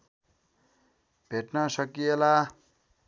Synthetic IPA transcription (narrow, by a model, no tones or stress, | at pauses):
bʱeʈnʌsʌkijela